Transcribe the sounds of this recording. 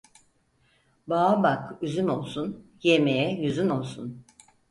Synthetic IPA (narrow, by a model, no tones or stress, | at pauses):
baːbakyzyno̞lˠsun | jemejɛjyzyno̞lˠsun